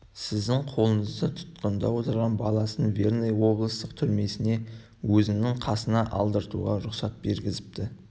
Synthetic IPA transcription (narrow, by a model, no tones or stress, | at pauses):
sɪzd̪ɪŋqʰo̞lˠəɴəzd̪ət̪ʰʊ̥t̪qənd̪ɑ̰wo̞t̪əɾʁɑnbɑlˠɑsənve̞rnejwo̞blˠəst̪əqt̪ʰʏɾme̞sɪne̞ | wɵzɪnɪŋqʰɑsənɑʔɑ̰lˠd̪əɾt̪ṵʁɑɾʊqsɑt̪̚be̞ɾɡʲɪzɪp̚t̪ɪ